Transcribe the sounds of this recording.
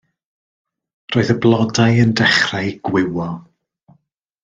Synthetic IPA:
roːɨðəblˠɔdajəndɛχrajɡ̥wɪwɔ

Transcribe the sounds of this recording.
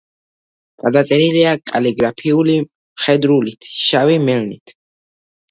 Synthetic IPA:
ɡ̥ad̪at̪ʼɛniliakʼa̰liɡɾapʰiuli | χɛd̪ɾulit̪ʰʃavimɛlnḭt̪ʰ

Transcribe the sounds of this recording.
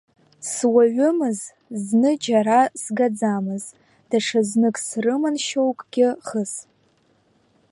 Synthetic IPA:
swaɥʷʊmɨz | znɨd͡ʒaɾasɡad͡zamɨz | d̥aʂaznɨkʼsrɨmanʃowkʼɡ̥ʲɪχəs

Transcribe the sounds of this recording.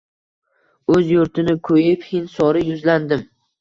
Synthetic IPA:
ɵzjʊɾt̪ʰɪnɪkʰɵjɪphɪnsɒɾɪjʊzland̪ɪm

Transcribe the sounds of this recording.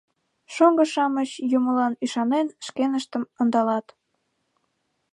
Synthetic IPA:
ʃoŋɡəʃɑmət͡ɕjuməlɑnyʃɑnenʃkenəʃt̪əmənd̪ɑlɑt̪

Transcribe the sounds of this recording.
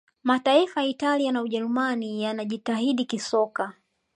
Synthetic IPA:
mataifajitalianauʄɛɾumanijanaʄitaɦiɗikisɔka

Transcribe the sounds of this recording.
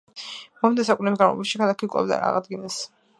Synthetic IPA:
mɔmd̪ɛsakʼunɛbisɡaɾma̰baʃikʰalˠakʰikʼɔ̰bd̪a̰ɾaʁad̪ɡinɛs

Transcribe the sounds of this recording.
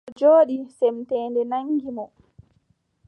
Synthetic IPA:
d͡ʒoːɗisɛmtɛːndɛnaŋɡimɔ

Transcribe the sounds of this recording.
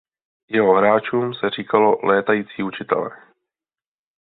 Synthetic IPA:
jɛɦo̞ɦɾaːt͡ʃuːmsɛriːkalo̞lʔɛːt̪ajiːt͡siːut͡ʃɪt̪ɛ̰lɛ̰ː

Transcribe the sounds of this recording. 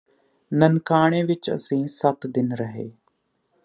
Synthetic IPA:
nənkaːɽ̃eːʋɪt͡ʃə̰sĩːsət̪d̪ɪnɾəɦḛː

